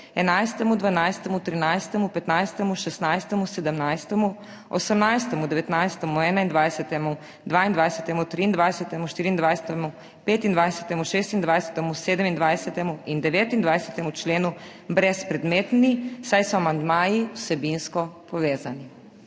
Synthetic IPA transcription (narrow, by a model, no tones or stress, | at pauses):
ɛnajst̪ɛmud̪ʋanajst̪ɛmut̪ɾinajst̪ɛmupɛt̪najst̪ɛmuʃɛst̪najst̪ɛmusɛd̪əmnajst̪ɛmu | ɔsəmnajst̪ɛmud̪ɛʋɛt̪najst̪ɛmuɛːnaind̪ʋajsɛt̪ɛmu | d̪ʋaːind̪ʋajsɛt̪ɛmut̪ɾiːnd̪ʋajsɛt̪ɛmuʃt̪iːɾiːnd̪ʋajsɛt̪ɛmu | peːt̪ind̪ʋajsɛt̪ɛmuʃeːst̪ind̪ʋajsɛ̥t̪ɛmuseːd̪əmind̪ʋajsɛt̪ɛmuind̪ɛʋeːt̪ind̪ʋajsɛ̥t̪ɛmut͡ʃleːnu | bɾɛspɾɛd̪meːt̪nisajsɔamand̪maːjiusɛbinskɔpɔʋeːzani